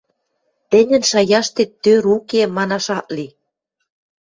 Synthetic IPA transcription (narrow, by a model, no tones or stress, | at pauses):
t̪ɘ̆nʲɘ̆nʃɑjɑʃt̪et̪ːøɾukemɑnɑʃɑʔ̪li